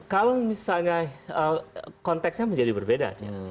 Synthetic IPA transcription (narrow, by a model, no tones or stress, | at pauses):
kalomisalɲaəkɔnt̪ɛksɲaməɲd͡ʒadibərbeda̰d͡ʒa̰